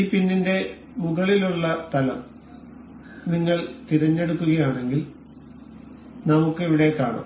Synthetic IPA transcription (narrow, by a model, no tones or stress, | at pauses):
ipinːinde̞ | muɣɐɭiluɭːɐt̪ɐlɐ̰m | niŋːɐɭt̪iɾɐɲːe̞ɽukːuɣɐjaːɳe̞ŋɡil | nɐmukːɨeʋiɽe̞kːaːɳɐ̰